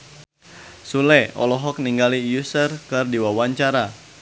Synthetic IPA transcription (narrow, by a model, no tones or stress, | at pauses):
sulɛɔ̰lɔɦɔk̚niŋɡalijusərkɨrdiwawaɲt͡ʃaɾa